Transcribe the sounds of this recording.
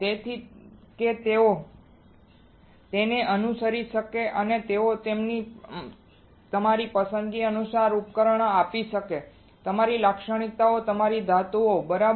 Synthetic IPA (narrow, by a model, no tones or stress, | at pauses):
t̪et̪ʰiket̪eo | t̪eneʔənusəɾiʃəkeʔənet̪eot̪emni | t̪əmaɾipəsənɡiənusaɾupkəɾəɳ̃apiʃəke | t̪əmaɾilakʃəɽ̃it̪aot̪əmaɾid̪ʱat̪uobəɾa